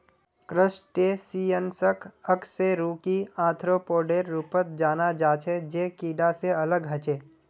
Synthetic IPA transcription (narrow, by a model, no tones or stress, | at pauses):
kɾəsʈesiːənsəkʰəkseɾuːkiãːt̪ʰɾopoːɖeːɾːuːpət̪̚d͡ʒaːnad͡ʒaːt͡ʃʰed͡ʒeːkiːɖaseɐləɡɦɐt͡ʃeː